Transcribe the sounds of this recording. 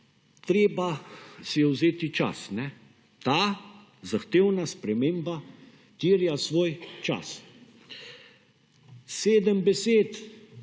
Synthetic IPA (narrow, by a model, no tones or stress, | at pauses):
t̪ɾeːbasijɛwzeːt̪it͡ʃa̰snɛ | t̪aː | zaxt̪eːwnaspɾɛmeːmba | t̪iːɾjasʋoːjt͡ʃa̰s | seːd̪əmbɛseːt̪